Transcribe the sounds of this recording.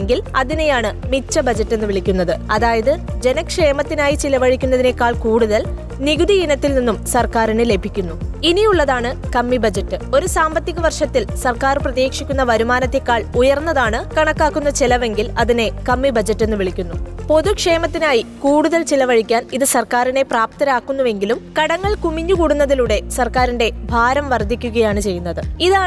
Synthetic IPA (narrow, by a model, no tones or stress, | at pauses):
ŋɡilɐðine̞jaːɳɨmit͡ɕːɐbɐd͡ʑɐtːe̞nːɨʋiɭikʲːunːɐðɨɐðaːjɐðɨd͡ʑe̞nɐkʂe̞ːmɐt̪ːinaːjit͡ɕilɐʋɐɻikʲːunːɐðine̞kːaːɭkuːɽuðɐl | niɣuðijinɐt̪ːilninːumsɐrkaːɾinɨle̞bʱikʲːunːuinijuɭːɐðaːɳɨkɐmːibɐd͡ʑɐtːɨo̞ɾusaːmbɐt̪ːiɣɐʋɐrʂɐt̪ːilsɐrkaːrprɐðeːkʂikʲːunːɐʋɐɾumaːnɐt̪ːe̞kːaːɭujɐrnːɐðaːɳɨkɐɳɐkːaːkːunːɐt͡ɕilɐʋe̞ŋɡilɐðine̞kɐmːibɐd͡ʑɐtːe̞nːɨʋiɭikʲːunːupo̞ðukʂe̞ːmɐt̪ːinaːjikuːɽuðɐlt͡ɕilɐʋɐɻikʲːaːniðɨsɐrkaːɾine̞praːp̚t̪ɐɾaːkːunːuʋe̞ŋɡilumkɐɽɐŋːɐɭkumiɲːukuːɽunːɐðiluɽe̞sɐrkaːɾinɖe̞bʱaːɾɐmʋɐrd̪ʱikʲːuɣɐjaːɳɨt͡ɕe̞jːunːɐðɨiðaːɳ